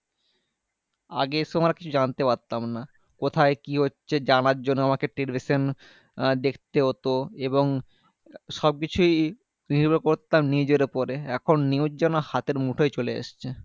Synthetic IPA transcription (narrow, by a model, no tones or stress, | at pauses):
a̰ɡesoamɾakit͡ɕʰud͡ʑant̪epaɾt̪amna | kot̪ʰaekiɦotːɕʰed͡ʑanaɾd͡ʑonːoamakeʈelibiʃon | d̪ek̚ʰt̪eɦot̪oeboŋ | ʃɔb̚kit͡ɕʰuj | niɾbokoɾt̪amnid͡ʑeɾpɔɾeɛkʰonːiwd͡ʑɛnohat̪eɾmuʈʰoet͡ɕoleḛʃt͡ɕʰe